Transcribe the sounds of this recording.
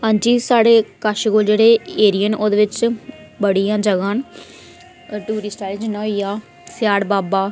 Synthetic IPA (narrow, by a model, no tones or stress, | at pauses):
ənt͡ʃiːsaːɽeːkaʃɡoːld͡ʒeːɽeːeːɾijənoːd̪ʋɪt͡ʃ | bəɽijãːd͡ʒəɡãːn | ʈuːɾiːsʈaːjld͡ʒnãɦoiːjaː | sjaːɽbaːbaː